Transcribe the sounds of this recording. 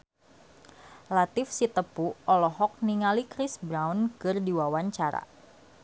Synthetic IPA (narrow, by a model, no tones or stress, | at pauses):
lat̪ɪfsit̪əpuʔɔlɔɦɔk̚niŋalikɾɪsbɾawnkɨrdiwawaɲt͡ʃaɾa̰